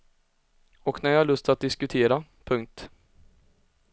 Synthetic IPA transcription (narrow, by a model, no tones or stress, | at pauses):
ɔknæɾjɑːhaɭɵst̪ʰat̪̚d̪ɪskɵt̪ʰeːɾapʰɵŋk̚t̪